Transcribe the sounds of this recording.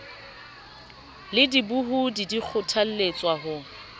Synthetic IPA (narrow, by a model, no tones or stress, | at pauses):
lɪdibuɦudidik͡xʰʊtʰal̩let͡sʼwaɦʊ